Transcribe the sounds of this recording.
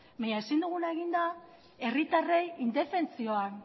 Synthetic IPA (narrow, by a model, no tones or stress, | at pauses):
baɲaesind̪uɣ̞unae̞ɣ̞ind̪a | e̞rit̪are̞jind̪e̞fe̞nt͡sio̞an